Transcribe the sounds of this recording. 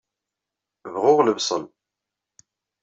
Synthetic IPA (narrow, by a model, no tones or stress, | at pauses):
vʁʊʁləvsˤə̰n